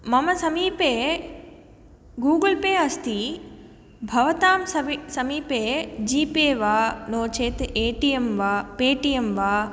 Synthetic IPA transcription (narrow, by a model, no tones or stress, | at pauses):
mɐmɐsɐmiːpeː | ɡuːɡɐlpeːɐst̪i | bʱɐʋɐt̪aːmsɐsɐmiːpeːd͡ʒiːpeːʋaːnoːt͡ʃeːt̪eːʈijemʋaːpeːʈijemʋaː